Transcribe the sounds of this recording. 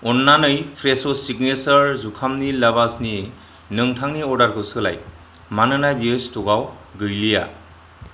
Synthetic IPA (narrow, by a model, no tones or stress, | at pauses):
ɔnːanɯjpʰɾesɔsiɡnesaɾzukʰamnilabasni | nɯŋtʰaŋniɔɾdaɾkʰɯwsɯla̰j | manɯnajbiɯstuɡawɡɯjlija̰